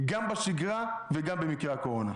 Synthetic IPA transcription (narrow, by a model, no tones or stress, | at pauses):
ɡambaʃiɡʁaveɡambemikʁeako̞ʁo̞na